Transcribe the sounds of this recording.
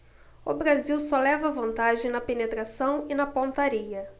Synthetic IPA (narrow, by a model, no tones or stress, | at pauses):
ʊbɾaziwsɔlɛvɐvɐ̃nt̪aʒẽj̃nɐpenet̪ɾasɐ̃w̃ɪnɐpõt̪aɾiɐ